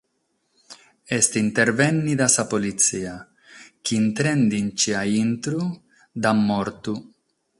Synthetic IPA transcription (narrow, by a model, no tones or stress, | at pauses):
est̪int̪eɾvɛnːid̪asapolit̪sia | kint̪ɾend̪int͡ʃiaint̪ɾu | d̪amːoɾt̪u